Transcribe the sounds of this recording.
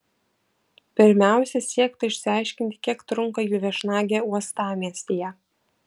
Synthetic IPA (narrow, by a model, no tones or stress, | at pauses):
pʲɪɾʲmʲæˑʊsʲɛsʲiɛkt̪ɐɪʃʲsʲɪɑˑɪʃʲkʲɪnʲt̪ʲɪ̥kʲiɛkt̪ɾʊŋˑkɐjuːʋʲɛʃnɑːɡʲæːuɔst̪ɑːmʲiɛsʲt̪ʲijɛ